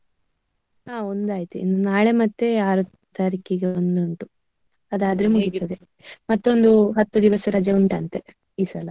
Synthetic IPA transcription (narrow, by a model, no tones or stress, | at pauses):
aːo̞nd̪aːjit̪uḭnd̪unaːɭe̞mɐt̪ːe̞aːɾu | t̪aːɾikeɡeond̪uɳʈu | ɐd̪aːd̪ɾemuɡit̪ːɐd̪e | mɐt̪ːo̞nd̪uɦɐt̪ːud̪iʋɐsɐɾɐd͡ʒɐuɳʈɐːnt̪e | iːsɐlɐ